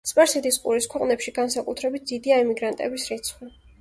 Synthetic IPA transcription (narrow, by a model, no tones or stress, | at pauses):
spʼaɾsɛd̪iskʼṵɾiskʰwɛqʼnɛpʃiɡansakʼut̪ʰɾɛbit̪̚d̪z̥id̪iaɛmiɡɾant̪ʼɛ̰bisɾɛt̪sʰχi